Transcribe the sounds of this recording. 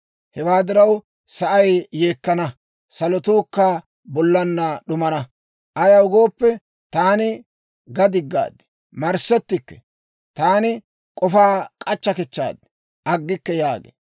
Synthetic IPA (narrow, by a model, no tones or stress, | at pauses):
hɛwaːd̪ɪɾɐw | sɐʔɐjːe̞ːkːɐnɐ | sɐlɔt̪uːkːaː | bɔlːɐnːɐɗʊmɐnɐ | ʔɐjɐʊɡoːpːɛ | t̪aːnɪ | ɡɐd̪ɪɡːa̰ːd̪ɛ̥ | mɐɾsɛt̪ːɪkːɛ̥ | t̪aːnɪ | kʼɔfaːkʼɐt͡ʃːɐkɛt͡ʃːa̰ːd̪ɛ̥ | ʔɐɡːɪkːɛjaːɡḛː